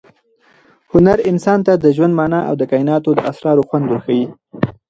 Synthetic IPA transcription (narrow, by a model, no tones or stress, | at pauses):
hʊnaɾɪnsɑnt̪ad̪əʒwand̪mɑnaʔa̰wd̪əkɑɪnɑt̪od̪əʔasɾɑɾoxwand̪wəɾxawi